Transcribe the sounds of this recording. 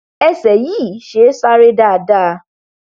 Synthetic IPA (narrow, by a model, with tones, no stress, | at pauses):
ɛ˦˧sɛ˨jiː˦˨ʃe˨˦sa˦ɾe˦da˦˨a˨da˦˧